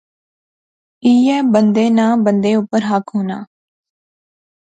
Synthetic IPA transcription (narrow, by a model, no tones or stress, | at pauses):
iːɛːbənd̪eːnãːbənd̪eːʊpːəɾɦəkʰɦoːnaː